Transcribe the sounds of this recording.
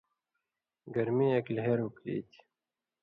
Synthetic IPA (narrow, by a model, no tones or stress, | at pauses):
ɡɐɾmiːɐkilɦeːɾuklḭːt̪ʰi̥